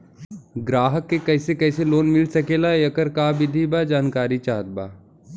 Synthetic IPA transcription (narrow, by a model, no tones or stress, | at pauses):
ɡɾaːɦəkːekɐɪsekɐɪseloːnmɪlsɐkeːlajɐkəɾkaːbɪd̪ʱibad͡ʒaːnkaːɾit͡ʃaːɦət̪̚baː